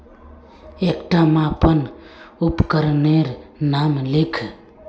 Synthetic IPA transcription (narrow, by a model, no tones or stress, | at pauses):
ekʈamãpən | upkəɾneɾnamlikʰ